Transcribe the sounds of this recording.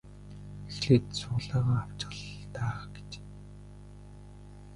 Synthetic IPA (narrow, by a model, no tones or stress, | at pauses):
exɮeːt̪sʊːɮaːʁaːaw̥t͡ɕɢə̆ɮt̪aːɡ̥e̥t͡ɕ